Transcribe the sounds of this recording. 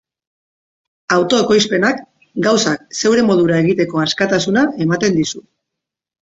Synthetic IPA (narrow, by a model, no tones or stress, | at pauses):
awt̪o̞eko̞jspe̞nak | ɡawsakse̞wɾe̞mo̞ð̞uɾae̞ɣ̞it̪e̞ko̞askat̪asunae̞mat̪e̞nd̪isu